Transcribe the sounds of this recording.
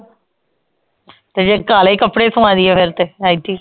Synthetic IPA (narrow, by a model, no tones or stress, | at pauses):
t̪eːd͡ʒeːkaːleːkəpːɽeːsʊãːd̪iɛpʰɪɾt̪eaːiʈiː